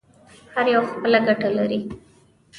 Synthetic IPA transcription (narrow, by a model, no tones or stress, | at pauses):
haɾjawaxpəlaɡaʈalaɾi